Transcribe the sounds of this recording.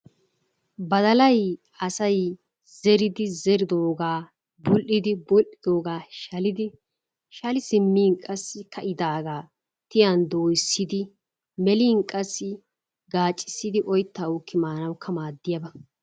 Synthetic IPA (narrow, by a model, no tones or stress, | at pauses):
bɐd̪ɐlɐj | ɐsɐj | z̥ɛɾɪd̪ɪzɛɾɪd̪oːɡaː | bʊlʔɪd̪ɪbɔlʔɪd̪o̞ːɡaːʃɐlɪd̪ɪ | ʃɐlɪsɪmːiːŋkʼɐsːɪkɐʔɪd̪aːɡaː | t̪ɪjɐnd̪oːjsːɪd̪ɪ | mɛliːŋkʼɐsːɪ | ɡaːt͡ʃʼːɪ̥sːɪd̪ɪʔɔjt̪ːawʊkʰːɪmaːnɐwkʰːɐmaːd̪ːɪjɐbɐ